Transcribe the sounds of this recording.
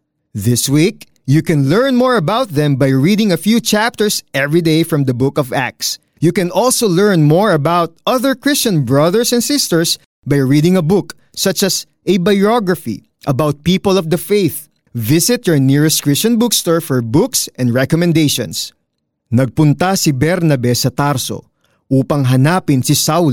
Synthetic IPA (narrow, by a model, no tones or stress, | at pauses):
ðɪswik | jukɛ̃nlɛɹnmɔɹɐbawt̪̚ðɛ̃mbajɹid̪ɪ̃ŋɐfjuːt͡ʃæp̚t̪əɹsʔɛvɹid̪eɪfɹɔ̃md̪ɐbʊkɔvæ̰k̚s | jukɛ̃nʔɔlsolɛɹnmɔɹɐbawt̪̚ʔʌðəɹkɹɪst͡ʃɐ̃nbɹʌðəɹsɛ̃nsɪst̪əɹs | bajɹid̪ɪ̃ŋɐbʊk | sʌt͡ʃɐs | ʔɛbajɔɡɹɐfḭ | ʔɐbawt̪̚piːpəlɔvd̪ɐfejθ | vɪsɪt̪̚jɔɹnɪɹɛst̪kɹɪst͡ʃɐ̃nbʊkst̪ɔɹfɔɹbʊksʔɛ̃nd̪ɹɛkɔmɛ̃nd̪ejʃɔ̰̃ns | nɐɡ̚pʊnt̪asibɛɾnɐbɛsɐt̪aɾso̰ | ʔuːpɐŋɦɐnapɪnsɪsawl